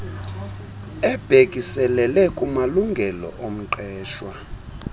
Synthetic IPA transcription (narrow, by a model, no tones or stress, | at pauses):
ɛb̥ʱekʼisɛlɛlɛkʼumaluŋɡʱɛlɔ̰ʔom̩ǃɛːʃwa